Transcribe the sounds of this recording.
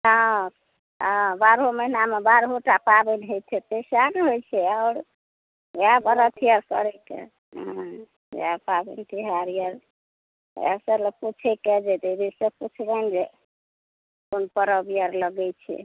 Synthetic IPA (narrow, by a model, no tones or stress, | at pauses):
ɦa | abaɾɦomənamebaɾɦoʈapabɛnɦojt̪ʰɛt̪esanɦojt͡ʃʰɛaʊɽ | abəɾət̪ʰijəɾkəɾɛkḛ | ɦã̰ | apabɛ̰nt̪iɦaɾijəɾ̰ | ɛ̰səɾləput͡ʃʰɛkɛd͡ʒed̪ebiseput͡ʃʰbɛnd͡ʒe | konpəɾəbijəɾləɡɛt͡ʃʰɛ̰